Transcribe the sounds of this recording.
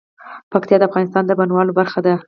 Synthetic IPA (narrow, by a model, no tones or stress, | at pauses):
pakt̪jɑd̪əafɣɑnɪst̪ɑnd̪əbanwɑlobaɾxad̪a